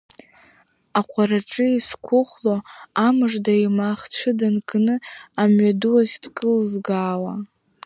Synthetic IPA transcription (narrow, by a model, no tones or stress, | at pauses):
aqʷʰaɾaʈ͡ʂʼɨiskʷʰʊχloamɨʐdaimaχt͡ɕʷʰɨdankʼnɨamɥadɨwaʁʲd̥kʼɨlzɡaːwa